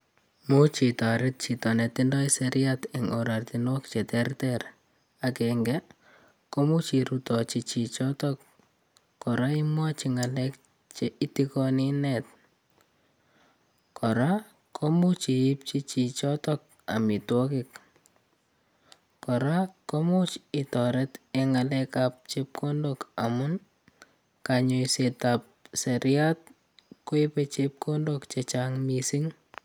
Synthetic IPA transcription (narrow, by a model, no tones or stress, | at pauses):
mut͡ʃitaɾɪt̚t͡ʃitɔnɛt̪indɔiseɾjatɪŋɔɾart̪inwɔkt͡ʃetɛrtɛr | akɛŋɡɛ | komut͡ʃiɾutɔt͡ʃit͡ʃit͡ʃɔtɔk | kːɔɾaimwat͡ʃiŋalɛk | t͡ʃeʔitikɔninɛt̚ | kɔɾa | kɔmut͡ʃiɪp̚t͡ʃit͡ʃit͡ʃɔtɔk̚ | a̰mitwɔkɪk | kɔɾakomʊt͡ʃitɔɾɛteŋalɛkap̚t͡ʃep̚kʰondokamʊn | kaɲoisetap̚seɾjat̚ | koɪpet͡ʃep̚kondokt͡ʃet͡ʃaŋmisiŋ